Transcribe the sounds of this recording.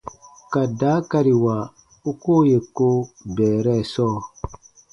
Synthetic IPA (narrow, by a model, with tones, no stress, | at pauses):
ka˨daː˨˦ka˦ɾi˨wa˨ | u˦koː˦je˨ko˦bɛː˨ɾɛ˦˨sɔː˦˨